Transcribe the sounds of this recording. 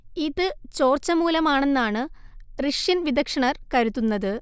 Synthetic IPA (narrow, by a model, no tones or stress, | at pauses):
iðɨt͡ɕo̞ːrt͡ɕːɐmuːlɐmaːɳe̞nːaːɳɨriʂjinʋid̪ɐkʂɐɳɐrkɐɾut̪ːunːɐðɨ